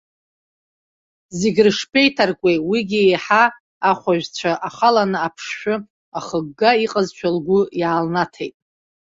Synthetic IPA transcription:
zeɡʲrɨʂpʰʼejtʰarkʷʼejwiɡʲiejħaː | χʷaʒᶣt͡ɕʷʰaʔaχalanɨapʰʂʃᶣʊ | aχəɡːaiqʼəzt͡ʃʷʰalɡʷʊjaːlnatʰejtʼ

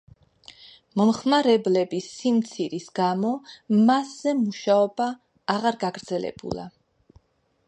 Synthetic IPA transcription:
mɔmχmaɾɛblɛbisːimt̪sʰiɾisɡamɔmaszɛmuʃaɔbaː | ʁaɾɡaɡɾd̪zɛlɛ̰b̥ṵlˠa̰

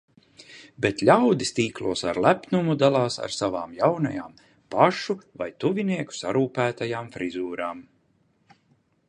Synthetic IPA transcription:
bet̪lʲawd̪ist̪iːklˠuɔsa̰ɾlˠæpnumud̪alˠɑːsa̰ɾsavaːmjawna̰ja̰ːm | paʃuvajt̪uvʲiniɛku̥saɾuːpæːt̪ajaːmfɾizuːɾaːm

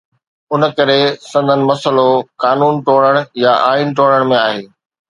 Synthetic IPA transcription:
ʊnə̆kɐɾesɐ̃nd̪ʱənɪ̆mɐsəlokaːnuːnʈoːɽ̃əɽ̃jaʔaːinʈoːɽəɽ̃mẽaːɦeː

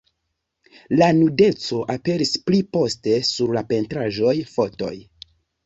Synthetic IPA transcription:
lanude̞t͡so̞ʔape̞ɾisplipo̞ste̞suɾlape̞ntɾaʒo̞jfo̞to̞̰j

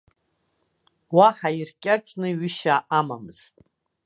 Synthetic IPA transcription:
waħairkʲʼat͡ʃʰʼnɨɥɪʃaʔamamɨz̥tʼ

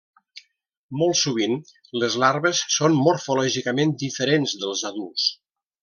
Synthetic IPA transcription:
mɔlˠsuβ̞in | ləzlaɾβəsːonmuɾfulɔʒikəmend̪ifəɾenzðəlˠzaðulˠs

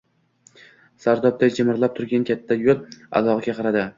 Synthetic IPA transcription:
saɾd̪ɒb̚d̪ad͡ʒɪmɪɾlap̚t̪ʰʊɾɡʲankʲʰat̪ʰːajolˠa̰lˠɒʁɡʲaqʰɑɾad̪ɪ

